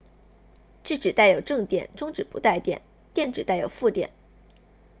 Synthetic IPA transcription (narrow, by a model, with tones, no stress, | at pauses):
ʈ͡ʂɻ̩˥˩ʈ͡ʂɻ̩˨˩t̪a˥˩ɪjo˨˩ʊʈ͡ʂɤ˥˩ŋt̪jɛ̰˨˩˦nʈ͡ʂʊ˥ŋʈ͡ʂɻ̩˨˩pṵ˧˥t̪a˥˩ɪt̪jɛ̰˨˩˦n | t̪jɛ˥˩nʈ͡ʂɻ̩˨˩t̪a˥˩ɪjo˨˩ʊfu˥˩t̪jɛ̰˨˩˦n